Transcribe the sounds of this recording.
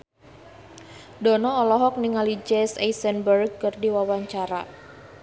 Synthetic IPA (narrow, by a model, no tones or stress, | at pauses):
dɔnɔɔlɔɦɔk̚niŋalid͡ʒɛsɛjsənbərɡ̚kɨrdiwawaɲt͡ʃaɾa̰